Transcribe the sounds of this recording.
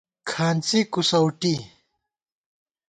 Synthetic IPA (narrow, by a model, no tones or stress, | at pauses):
kʰaːnt͡sikusɐwʈi